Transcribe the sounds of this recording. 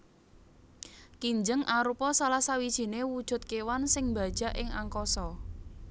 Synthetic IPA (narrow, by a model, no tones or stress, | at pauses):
kiɲd͡ʒəŋʔaɾupɔsalahsawid̥ʒ̥i̤newud̥ʒ̥ʊ̤t̪̚kewansɪŋba̤d̥ʒ̥a̤ʔɪŋa̰ŋkɔsɔ